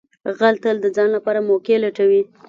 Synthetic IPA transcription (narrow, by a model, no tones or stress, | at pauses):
ɣalt̪əld̪əd͡zɑnlapɑɾamokelaʈawi